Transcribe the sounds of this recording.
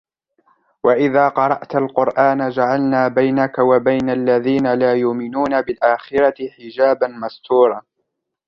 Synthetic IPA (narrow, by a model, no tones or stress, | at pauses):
waʔɪðaːqɑɾˤɑʔt̪alqʊɾʔaːnad͡ʒaʕalnaːbajnakawabajnalːaðiːnalaːjʊʔmɪnuːnabɪlʔaːxɪɾat̪ɪħɪd͡ʒaːbanmast̪uːɾˤɑː